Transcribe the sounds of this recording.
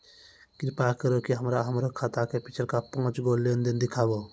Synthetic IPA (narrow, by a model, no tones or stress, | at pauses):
kiɾpakəɾokiɦəmɾaɦəmɾokʰat̪akepit͡ʃʰəɾkapɔ̃ːt͡ʃɡolend̪end̪ikʰabo